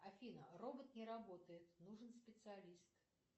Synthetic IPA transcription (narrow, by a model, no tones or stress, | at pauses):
afʲinɐrɔbət̪nʲɛɾabɔt̪əjɪt̪nuʐɨnsʲpʲɪt̪sɨalʲist̪